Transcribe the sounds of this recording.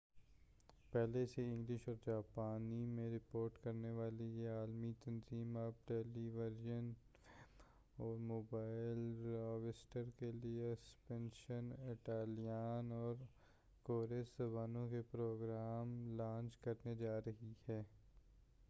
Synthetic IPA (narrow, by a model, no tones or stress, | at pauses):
pɛɦleseɪ̃ŋɡlɪʃɔːɾd͡ʒaːpaːnimẽɾɪpoːɾʈkɐɾneʋaːlejeaːlmit̪ɐnziːmɐp̚ʈeːliʋəɾjən | ɔːɾmoːbaːɪlɾaːʋɪsʈəɾkeliespɛ̃nʃənɪʈaːlijaːnɔːɾ | koːɾezɐbaːnõkepɾoːɡɾaːmlãːnt͡ʃkɐɾned͡ʒaːɾɐɦihɛː